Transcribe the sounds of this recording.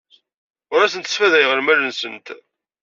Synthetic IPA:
ʊɾæsənt̪ːəsfæðæjʁəɾmælənsənt̪

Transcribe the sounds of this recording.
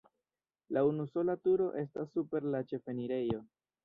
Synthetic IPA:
launuso̞latuɾo̞ʔe̞stasːupe̞ɾlat͡ʃe̞fe̞niɾe̞jo̞

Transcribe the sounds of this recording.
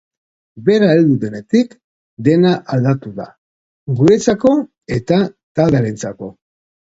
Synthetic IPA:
be̞ɾaeld̪uðe̞ne̞t̪ik | d̪e̞naʔald̪at̪uða̰ | ɡuet͡sako̞ | e̞t̪at̪ald̪eɾent͡sako̞

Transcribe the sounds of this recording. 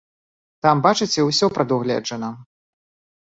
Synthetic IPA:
t̪ambat͡ʂɨt͡sʲɛwsʲɔpɾɐd̪uɣlʲɛ̰d͡ʐɐnɐ

